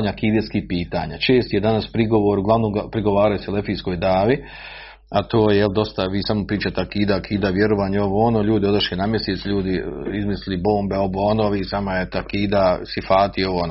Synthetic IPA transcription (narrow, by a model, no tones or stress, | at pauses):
ɲakiːd̪eskipiːt̪a̰ːɲa̰t͡ʃeːst̪ijed̪anaspɾiɡoʋoɾuɡlˠaʋnoɡapɾiɡo̞ʋaːɾajosele̞fiːsko̞ːjd̪aːʋi | at̪oːjejeld̪o̞st̪aʋiːsamopɾiːt͡ʃat̪akiːd̪akʰiːd̪aʋjeɾoʋaːɲao̞ʋoːonoʎuːd̪io̞d̪aʃenamjeseːt̪sʎuːd̪iizmislilibo̞ːmbeoʋoonoʋisamajet̪akiːd̪asifaːt̪ioʋoːno